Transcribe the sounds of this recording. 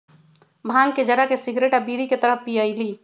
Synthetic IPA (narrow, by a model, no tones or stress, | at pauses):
bʱaːŋɡked͡ʒəɾakesiɡɾeʈabiɾiket̪əɾəpijəɪliː